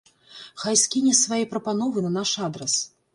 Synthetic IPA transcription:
xajsʲkʲinʲɛsvajɛpɾɐpanɔvɨnɐnaʂad̪ɾɐs

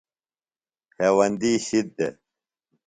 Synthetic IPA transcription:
hʰeːwɐnd̪iːɕid̪ːe

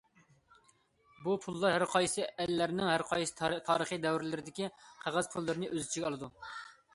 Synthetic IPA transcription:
bupʰulˠːɑɾhæɾqʰɑjsɨʔɛlːæɾnɪŋhæɾqʰɑjsɨ̥t̪ʰɑːɾəχid̪ɛwɾɪlɪɾɪd̪ɪkʲiqʰæʁæzpʰulˠːɨɾɨnɨʔøzɪt͡ʃʰiɡʲɑlˠɨd̪u

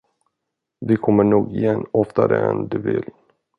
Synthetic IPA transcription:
vɪkʰɔmːəɳuːɡɪjɛnːɔft̪aɾəɛnd̪ɵvɪl

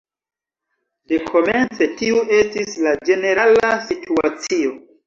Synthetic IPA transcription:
de̞kʰo̞me̞nt͡se̞tiuʔe̞stislad͡ʒe̞ne̞ɾalasituat͡sio̞

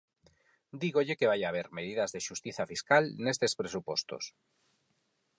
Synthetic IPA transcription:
d̪iɣoʎekeβajaβ̞eɾmeðiðazðeʃust̪iθafiskalnest̪espɾesupost̪o̰s

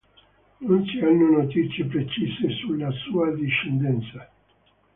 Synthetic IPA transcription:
nunt͡ʃianːunot̪it̪sjepɾet͡ʃisesulːasuːad̪iʃend̪ɛnt̪sa

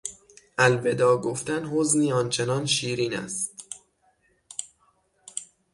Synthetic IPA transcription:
ʔælve̞d̪ɒːɡoft̪ænhozniːɒːnt͡ʃʰe̞nɒnʃiːɾiːnæ̰st̪

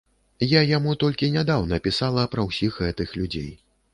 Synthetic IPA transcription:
jajamut̪ɔlʲkʲinʲad̪awnɐpʲisalˠɐpɾɐwsʲixɣɛt̪ɨxlʲud͡zʲḛj

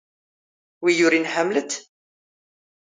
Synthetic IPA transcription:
wijʊɾinħamlət̪

